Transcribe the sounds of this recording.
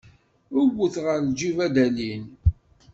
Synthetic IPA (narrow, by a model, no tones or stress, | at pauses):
ʊwəθʁəɾd͡ʒivæd̪ælin